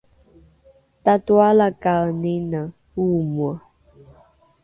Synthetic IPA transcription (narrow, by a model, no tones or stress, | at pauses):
tatwalakaənenə | umwə